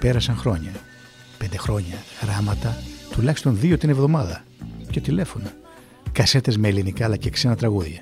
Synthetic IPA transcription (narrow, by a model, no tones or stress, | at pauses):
peɾɐsɐŋxɾo̞ɲɐ | pe̞nd̪e̞xɾo̞ɲɐɣɾɐmɐt̪ɐt̪ulɐçi̥st̪o̞nðio̞t̪inevðo̞mɐðɐ | ce̞t̪ile̞fo̞no | kɐse̞t̪e̞zme̞ːlinikɐːlɐce̞kse̞nɐt̪ɾɐɣuðʝɐ